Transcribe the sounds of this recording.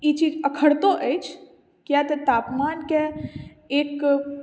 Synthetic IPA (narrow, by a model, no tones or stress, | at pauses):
it͡ʃiːd͡ʒəkʰəɽt̪õʔəɪt͡ʃʰ | kjat̪et̪aːpmaːnke | eːk